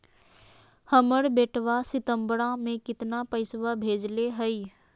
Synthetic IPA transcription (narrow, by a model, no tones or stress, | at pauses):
həməɾbeːʈʰʋasɪt̪ə̃mbɽãmẽkɪt̪napəɪsʋabʱeːd͡ʒleɦəi